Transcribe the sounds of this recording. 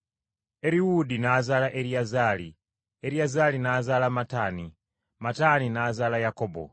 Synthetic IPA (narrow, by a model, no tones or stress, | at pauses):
eɾiwudinazalaʔeɾiazaːli | eɾiazalinazaːlamataːni | mataninaːzalajakoːbo̰